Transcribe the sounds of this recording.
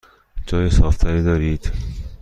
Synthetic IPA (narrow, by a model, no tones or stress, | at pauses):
d͡ʒɒːjesɒːft̪ʰæɾiːd̪ɒːɾiːd̪̥